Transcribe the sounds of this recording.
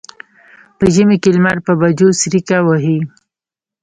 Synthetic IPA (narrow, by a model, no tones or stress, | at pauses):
pəʒəmekelmaɾpəbad͡ʒosɾikawəɦi